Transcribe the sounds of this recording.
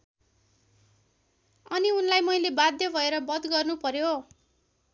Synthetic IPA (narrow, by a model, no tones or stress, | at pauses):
ʌniunlajmʌjlebad̪jʌbʱʌeɾʌbʌd̪ɡʌrnupʌɾjo